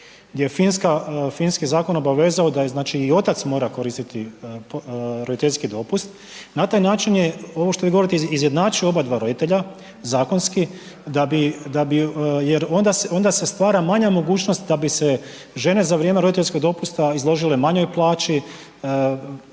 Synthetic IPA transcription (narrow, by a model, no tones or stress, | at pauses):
ɡd̪ʲjejefinskafinskizaːko̞no̞baʋe̞ːzaod̪aznaːt͡ʃiːo̞t̪at̪smo̞ːɾako̞ɾist̪it̪i | ɾo̞d̪it̪e̞ʎʲskid̪o̞pust̪ | nat̪aːjnaːt͡ʃinjeoʋoʃt̪o̞ʋiɡo̞oɾit̪eizje̞d̪naːt͡ʃio̞bad̪ʋaɾo̞d̪it̪e̞ʎa | zaːko̞nski | d̪abid̪abijeɾo̞nd̪aseond̪ase̞st̪ʋaːɾamaɲamo̞ɡuːt͡ʃnost̪d̪abise̞ | ʒe̞ne̞zaʋɾjeme̞ɾodit̪e̞ʎʲsko̞ɡ̚d̪o̞pust̪aizlˠo̞ʒilemaɲo̞jplˠaːt͡ʃi